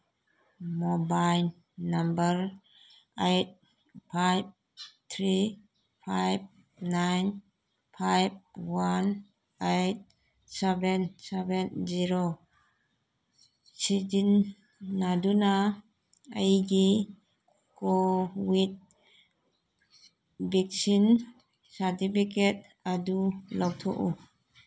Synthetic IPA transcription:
mɔbaj | nambəɾ | ejt̚ | pʰajb̚ | t̪ʰɾi | pʰajb̚ | najn | pʰajb̚wan | ejt̚ | sɛbɛnsɛbɛnziɾo | sid͡ʒinː | aduna | ajɡi | kɔwit̚ | bik̚sin | satipʰiket̚ | adulɔwt̪ʰɔ̰ʔu

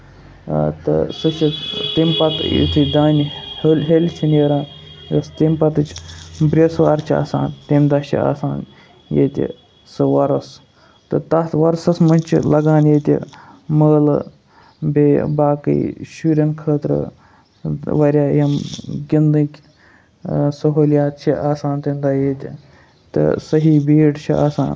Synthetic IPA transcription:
t̪ɨ̰sɨt͡ʃʰit̪impɐt̪ḭt̪ʰɨd̪aːnʲihelʲɦelʲt͡ʃʰineːɾãːnjɐst̪impɐt̪ɨt͡ʃʰbɾʲesʋaːɾt͡ʃʰia̰ːsa̰ːnt̪imd̪ɐt͡ʃʰḭa̰ːsaːn | jḛt̪ʲḭ | sɨʋɐɾɐs | t̪ɨt̪ɐt̪ʋɐɾsɐsmɐnʲt͡ʃʰḭlɐɡaːnjet̪ʲḭməːl | beːbaːkɨ̰jʃuːɾʲɐnkʰəːt̪ɾɨ̰ | ʋɐɾʲjaːjɐmɡʲind̪ɨkʲ | sɐɦoːljaːt̪̚t͡ʃʰiʔaːsaːnt̪imʲd̪aːjeːt̪ʲ | t̪ɨ̰sɐɦiːbiːɖt͡ʃʰia̰ːsa̰ːn

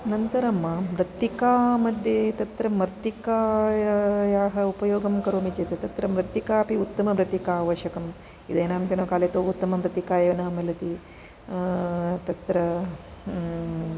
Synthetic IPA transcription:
nɐnt̪ɐɾɐmːɐmɾɐt̪ikaːmɐd̪ʱjet̪ɐt̪ɾɐmɐɾt̪ikaːjɐjaːɦɐupɐjoːɡɐmkɐɾoːmit͡ʃeːt̪et̪ɐt̪ɾɐmɾɐt̪ːikaːpiut̪ːɐmɐmɾɐt̪ikaːʋɐʃɐkɐm | id̪eːnaːmnt̪enoːkaːleːt̪oːut̪ːɐmɐmɾɐt̪ikaːjɐʋɐnɐɐmɐlɐt̪i | t̪ɐt̪ɾɐ

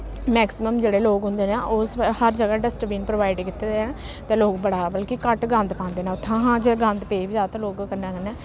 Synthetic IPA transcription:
mɛːksɪməmd͡ʒeːɽeːloːkɦʊ̃nd̪eːneːʔoshəɾd͡ʒəɡaːɖəsʈəbiːnpɾoʋaːɪɖkɪt̪ːeːd̪ən | t̪ẽːloːkbəɽaːbəlkikəʈɡə̃nd̪pãːnd̪eːneːʊt̪ʰːãːɦãːd͡ʒeɡə̃nd̪peːbid͡ʒaːt̪ãːloːkkənãːkənːẽː

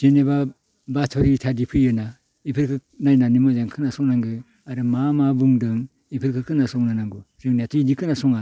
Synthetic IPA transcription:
zeneba | batʰɔɾitʰadipʰɯjɯna | ipʰɯɾkʰɯk̚najnanimɔzaŋkʰɯnasɔŋnaŋɡɯ | aɾɯmamabɯŋdɯŋ | ipʰɯɾkʰɯkʰɯnasɔk̚nanaŋɡuzɯŋnatʰɯidikʰɯnasɔŋa

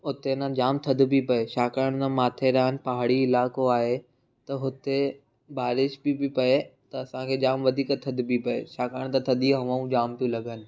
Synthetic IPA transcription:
ʊt̪enãd͡ʑaːmt̪ʰɐd̪ʱbʱipɐeʃaːkəɽəɽ̃t̪ãmaːt̪ʰeɾɐɦənɪ̆pɐɦaɽ̃iɪlaːkoaːɦe | t̪ɐɦʊt̪e | baːɾɪʃbibipɐet̪ɐɐsãkʰed͡ʑaːmʋɐd̪ʱiːkət̪ʰɐd̪ʱbipɐḛʃaːkəɾəɽ̃t̪at̪ʰɐd̪ʱiɦɐʋãũd͡ʑaːmpijũlɐɡʱənɪ̆

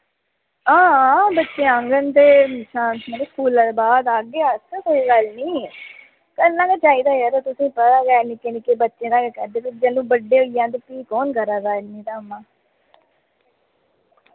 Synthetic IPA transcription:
ãːbətːʃẽːãŋɡənt̪eːʃãːnsməɾeskuːlaːd̪baːd̪aːɡeːassəiːɡəlniː | kəlːãːket͡ʃaːiːd̪aːjɛɾat̪ʊsĩːpəɾaːɡɛːnɪkenɪkeːbətːʃẽːd̪aːɡeːkɛːɾd̪eːpɪt͡ʃd͡ʒɛːlũːbəɖeːɦoijãːt̪epiːkɔːnkəɾaːzaːɪlmĩːt̪aːəmːãː

